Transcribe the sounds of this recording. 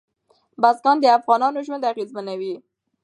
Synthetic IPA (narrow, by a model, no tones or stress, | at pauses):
bazɡɑnd̪əafɣɑnɑnoʒwand̪aɣezmanawi